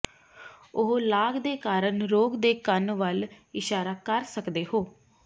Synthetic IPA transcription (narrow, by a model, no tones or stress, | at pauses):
ʊɦolaːɡd̪eːkaːɾənɾoːɡd̪eːkənʋəlɪʃaːɾaːkəɾsəkd̪eːɦoː